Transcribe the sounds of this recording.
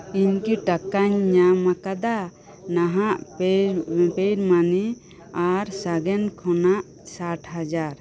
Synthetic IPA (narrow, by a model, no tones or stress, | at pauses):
iɲkiʈakaɲːamakad̪a | naɦaʔ | pejɾmani | aɾsaɡɛnkʰɔnaʔ | saʈʰɦad͡ʒaɾ